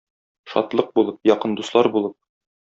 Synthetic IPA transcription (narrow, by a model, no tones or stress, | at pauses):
ʃɒ̰t̪lˠɤq̚bulˠɤp̚jɒqɤnd̪uslˠɑɾbulˠɤp̚